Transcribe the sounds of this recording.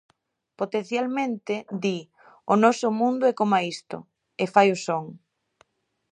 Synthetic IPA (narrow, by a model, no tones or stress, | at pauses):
pot̪enθjalmẽnt̪ɪd̪i | ʊnɔsʊmũnd̪ʊɛkomaist̪ʊ̰ | efajosoŋ